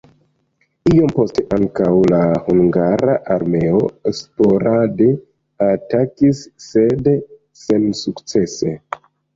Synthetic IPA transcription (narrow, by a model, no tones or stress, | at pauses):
io̞mpo̞steʔaŋkawlahuŋɡaɾaʔaɾme̞o̞eksplo̞ɾade | atakisːe̞d | se̞nsukt͡se̞se̞